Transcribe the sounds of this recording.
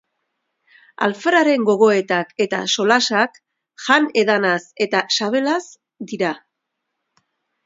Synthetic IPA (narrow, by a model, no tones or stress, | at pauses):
a̰lfeɾaɾe̞ŋɡo̞ɣo̞e̞t̪ake̞t̪a̰so̞lasak | xane̞ðanase̞t̪asaβ̞e̞las | d̪iɾa